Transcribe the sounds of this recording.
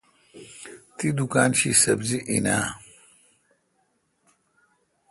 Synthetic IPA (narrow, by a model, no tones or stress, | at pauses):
t̪id̪ukaːnɕisɐbziʔinaː